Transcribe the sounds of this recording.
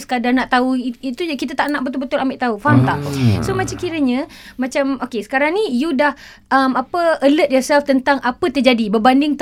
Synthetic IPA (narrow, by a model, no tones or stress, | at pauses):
sə̥kadarnaʔt̪auiit̪uakit̪at̪aʔnaʔbət̪ʊlbət̪ʊlambɪʔt̪aufaɦamt̪aʔsomat͡ʃakiɾəɲã | mat͡ʃamokesə̥kaɾaŋnĩjudah | ʔəmapəələt̪̚jɔrsɛlft̪ənt̪aŋʔapət̪ərd͡ʒadibərbandɪŋt̪